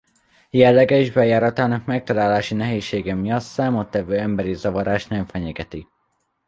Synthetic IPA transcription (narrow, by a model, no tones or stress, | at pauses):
jɛlːɛɡɛiʒbɛjaːɾɒt̪aːnɒkmɛk̚t̪ɒlaːlaːʃinɛɦeːʃːeːɡɛmijɒt̪saːmot̪ːɛvøːɛmbɛɾizɒvɒɾaːʃt̪nɛɱfɛɲɛɡɛt̪i